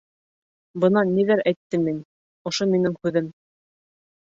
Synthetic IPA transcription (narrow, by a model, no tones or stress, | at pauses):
bɤ̆nɑnːiðæɾæjt̪ːɘmin | ŏʃominɘŋhʉðɘm